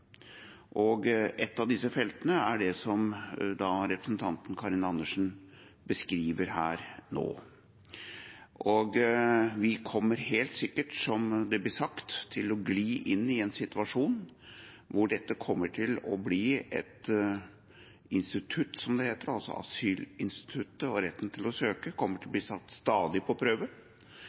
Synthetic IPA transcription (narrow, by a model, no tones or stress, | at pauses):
ʔɔɡɛt̪ːɑʋd̪ɪsəfɛlt̪ənəæɖɛsɔmd̪ɑɾɛpɾə̥sn̩t̪ʰɑnt̪n̩kʰɑɾɪnɑnːəʂn̩ | bəskɾiːʋəɾhæːɾno̰ː | ʔʔɔɡʋɪkʰɔmːəɾheːlt̪sɪkːəʈsɔmd̪ɛblɪsɑkt̪ʰːɪlɔɡliːʔɪnːɪɛnsɪt̪ʉɑʂuːn | ʋʊɖɛt̪ːəkʰɔmːəʈʰɪlɔbliːɛ̰t̪ | ɪnst̪ɪt̪ʰʉt̪sɔmd̪ɛheːt̪əɾɑlsɔ̰ɑ̰syːlɪnst̪ɪ̥t̪ʰʉt̪ːəɔɾɛt̪ːn̩t̪ʰɪlɔsøːkəkʰɔmːəʈʰɪlb̪liːsɑt̪ːst̪ɑːd̪ɪpʰɔpʰɾøːʋə